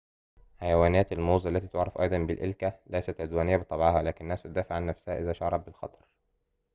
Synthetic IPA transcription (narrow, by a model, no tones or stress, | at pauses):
ħæjæwæːnæːt̪ælmoːzˤælːæt̪iːt̪oʕɾːˤɑfʔɑ̰jd̪ˤɑmbɪlʔelkælæjsæt̪ʕed̪wæːnɪjːæbet̪ˤɑbʕɑɦælæːkɪnnːæːst̪d̪æːfeʕːanːæfsæhæʔɪzæːʃɑʕɾˤɑb̚bɪlxɑ̰t̪ˤɑ̥ɾˤ